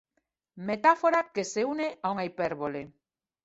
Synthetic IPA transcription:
met̪afoɾakeseuneʔauŋaipɛɾβole

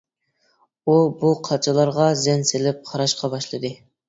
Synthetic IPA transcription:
ubuqʰɑt͡ʃʰɪlˠɑɾʁɑzɛnsɪlɪp̚qʰɑɾɑʃqɑbɑʃlˠɨd̪ɨ

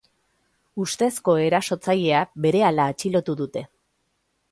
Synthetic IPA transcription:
ust̪e̞sko̞e̞ɾaso̞t͡saʎe̞abe̞ɾe̞alaːt͡ʃilo̞t̪uðut̪e̞

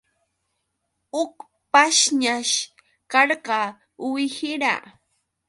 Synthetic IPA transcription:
ʊk | paʃɲaʃ | kɑɾɢɑ | wɪhɪɾa̰

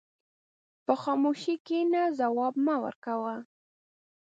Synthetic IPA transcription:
pəxɑmoʃikenazawɑbmawə̰ɾkawə

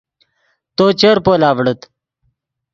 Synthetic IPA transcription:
t̪oːt͡ɕəɾpoːlaːʋɽət̪

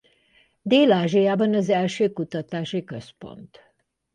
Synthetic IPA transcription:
d̪eːlaːʒijaːbɒnɒzɛlʃøːkut̪ɒt̪aːʃikø̞spo̞̰nt̪

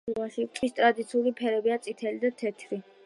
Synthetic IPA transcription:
aʃit̪ʼwist̪ʼɾad̪it̪sʰiulipʰɛɾɛbiat̪sʼit̪ʰɛlid̪at̪ʰɛt̪ʰɾi

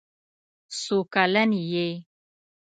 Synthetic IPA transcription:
sokalanije

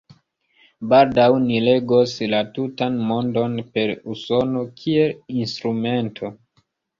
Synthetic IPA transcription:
baldawnile̞ɡo̞slatutanmo̞ndo̞npe̞ɾuso̞no̞kʰie̞linstɾume̞ntʰo̞

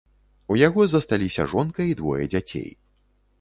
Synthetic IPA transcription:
ujaɣɔzɐst̪alʲisʲɐ̰ʐɔnkɐid̪vɔ̰jɛ̰d͡zʲat͡sʲḛj

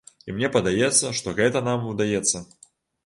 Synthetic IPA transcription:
imnʲɛpɐd̪ajɛt̪sːɐʂt̪ɔɣɛt̪ɐnamud̪ajɛt̪sːɐ

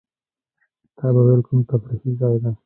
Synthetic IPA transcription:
t̪ʰɑbawelkumt̪afɾihizɑjd̪a

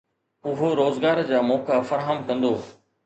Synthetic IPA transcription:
ʊɦoɾoːzɡaːɾd͡ʑaːmɔːkafɐɾɦəmkɐ̃nd̪oː

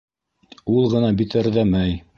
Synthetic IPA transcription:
ulˠʁɤ̆nɑbit̪ɘ̆ɾðæmæj

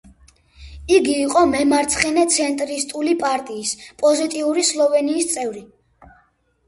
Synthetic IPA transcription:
iɡiːqʼɔmɛmaɾt̪sʰχɛnɛt̪sʰɛnt̪ʼɾist̪ʼulipʼaɾt̪ʼiːspʼɔzit̪ʼiuɾislˠɔvɛniːst̪sʼɛvɾi

